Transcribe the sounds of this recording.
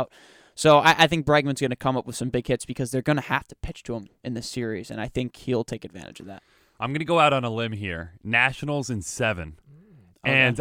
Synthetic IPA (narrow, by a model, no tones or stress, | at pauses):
ʊt̚ | soʊʔaɪʔaɪθɪ̃ŋk̚b̥ɹæɡ̚mɨ̃nzɡʌnɨkʰʌ̃mʌpwð̥sʌ̃mbɪɡ̥̚hɪtsb̥ɨkʰʌzðə˞ɡʌnɨhæftə̥pʰɪt͡ʃtʰəə̃mɨ̃nðɨsɪɹizɨ̰̃naɪθɪ̃ŋkhilˠtʰeɪkɨdvæ̰̃ɾtɨ̰̥d͡ʒʌvðæ̰t̚ | ʔãɪ̃mɡʌnɨɡoʊaʊɾn̩əlɪ̃mɦiɹnæʃn̩l̩ˠzɨ̃nsɛvɨ̰̃n | ɨ̃n